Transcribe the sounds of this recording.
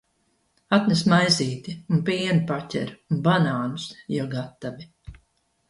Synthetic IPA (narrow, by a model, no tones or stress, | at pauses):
at̪nɛs̬majziːt̪iunpiɛnipacʲɛ̰ɾunbanaːnusjɔɡat̪avi